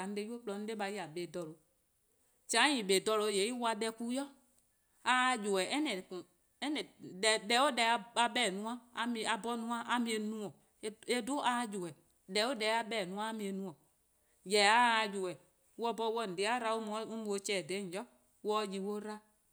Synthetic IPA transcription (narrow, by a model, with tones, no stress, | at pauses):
a˨n̩˦de˦jo˦k͡plɔ˧n̩˦de˦ɓa˧ji˦a˨ɓe˨dɔ˨lo˨˦ | t͡ʃã˨˦ɲĩ˨ɓe˨dɔ˧lo˨˦˨je˨˦i˦wa˨˧ɓɛ˧ku˦jɔ˦ | a˧˦˧d͡ʒo˨ɛ˨ɛ˦nɛ˨kũ˨ | ɛ˦nɛ˨ɛ˨dɛ˧˦o˦dɛ˧a˨˧ɓɛ˦˨nũ˦ã˦a˨˦mĩ˧˨a˨bɔ˦nũ˦ã˦ʔa˦mĩ˦e˧nũ˦ɔ̃˨˦ | e˦do˦ʔa˨˦d͡ʒo˨ɛ˨ | dɛ˨˦o˦dɛ˧˦a˧ɓɛ˦˨nũ˦ã˦a˦mĩ˨˧e˧nũ˧˦ɔ̃˨ | jɛ˨a˦˧d͡ʒo˨wɛ˨˦ | wɔ˧˦bɔ˧˦wɔ˦˨n̩˨de˨˦a˦ɾa˧˦o˦m˨˦u˦mũ˨o˧t͡ʃɛ˨dɛ˨˦˨d͡ʒɔ˦ | wɔ˦ji˨wo˦ɾa˦